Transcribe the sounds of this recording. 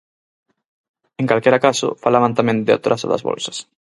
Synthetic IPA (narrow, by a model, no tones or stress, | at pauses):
ẽŋkalkɛɾakasʊ̰falaβant̪amẽnd̪ɪa̰t̪ɾasa̰ða̰zβɔ̰lsɐ̥s